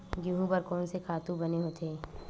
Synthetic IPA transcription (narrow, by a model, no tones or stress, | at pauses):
ɡuɦũpɐɾkɔːnsekʰaːt̪ũbɐneɦot̪ʰeː